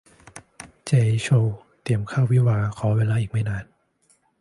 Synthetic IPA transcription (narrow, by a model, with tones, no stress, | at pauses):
t͡ɕeː˧˩t͡ɕʰo˧w | t̪i˧˩əmkʰaː˥˩wi˦˥˨waː˧kʰɔː˩˦weː˧laː˧˥ʔiː˨˩k̚ma˥˩jnaː˧˩n